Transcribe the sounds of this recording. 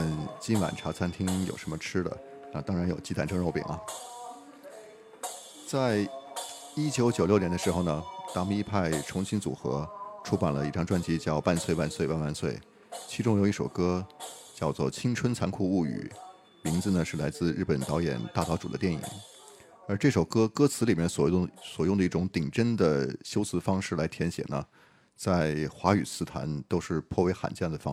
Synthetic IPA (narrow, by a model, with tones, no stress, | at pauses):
ə˧˩nt͡ɕi˥nwa̰˨˩nʈ͡ʂʰa˧˥t͡sʰa˥nt̪ʰi˥ŋjo˨˩ʊʂə˧˥nmə˧ʈ͡ʂʰɻ̩˥d̪ə̰˨ | na˥˩t̪ɑ˥ŋɻa˧˥njo˨˩ʊt͡ɕi˧˥t̪a˥˩nʈ͡ʂʰɤ˥ŋɻo˥˩ʊpḭ˨˩˦ŋʔɐ˦ | t͡sa˥˧ɪ | i˥t͡ɕjo˧˥ʊt͡ɕjo˨˩ʊjʊnjnd̪ʂɻ̩˧˥xo˥˩ʊnə˩t̪a˥mu˧˥i˥˧pʰa˥˩ɪʈ͡ʂʰʊ˧˥ŋɕi˥nt͡sṵ˨˩xɤ̰˧˥ʈ͡ʂʰu˥pa˨˩nlə˦i˥˩ʈ͡ʂɑ˥ŋʈ͡ʂwa˥nt͡ɕi˧˥t͡ɕjɑ˥˧ʊpa˥˧nswe˥˧ɪwa˥˧nswe˥˧ɪwa˥˧nwa˥˧nswe˥˩ɪ | t͡ɕʰi˧˥ʈ͡ʂʊ˥ŋjo˧˥i˥˩o˨˩ʊkɤ˥t͡ɕjɑ˥˧ʊt͡swɔ̰˥˩t͡ɕʰi˥ŋʈ͡ʂʰwə˥nt͡sʰa˧˥nkʰu˥˩u˥˩y̰˨˩˦ | mi˧˥ŋd͡zɹ̩˧nə˩ʂɻ̩˥˩la˧˥ɪt͡sɹ̩˥˧ɻ̩˥˩pə˨˩nt̪ɑ˧˥ʊjɛ̰˨˩nt̪a˥˩t̪ɑ˧˥ʊʈ͡ʂu˨˩d̪ə˦t̪jɛ˥˩nḭ˨˩˦ŋ | ə˞˧˥ʈ͡ʂɤ˥˩ʂo˨˩ʊkɤ˥kɤ˥t͡sʰɹ̩˧˥li˨˩mjɛ˥˩nswɔ˨˩˥swɔ˨˩jʊ˥˩ŋd̪ə˧i˥˩ʈ͡ʂʊ˧˥ŋt̪i˨˩ŋʈ͡ʂə˥nd̪ə˨ɕjo˥ʊsɹ̩˧˥fɑ˥ŋʂɻ̩˥˩la˧˥ɪt̪ʰjɛ˧˥nɕjɛ̰˨˩nə̰˦ | t͡sa˥˩ɪxwa˧˥y̰˨˩t͡sʰɹ̩˥t̪ʰa̰˧˥nt̪o˥ʊʂɻ̩˥˧pʰwɔ˥˩we˧˥ɪxa̰˨˩nt͡ɕjɛ˥˩nd̪ə˩fɑ˥